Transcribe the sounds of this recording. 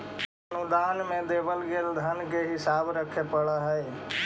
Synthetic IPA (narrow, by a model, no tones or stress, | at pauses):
ənud̪aːnmẽd̪eːbəlɡeːld̪ʱənkeɦɪsaːbɾəkʰepəɭaɦɛj